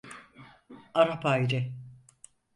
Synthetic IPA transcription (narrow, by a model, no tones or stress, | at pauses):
aɾapajɾɪ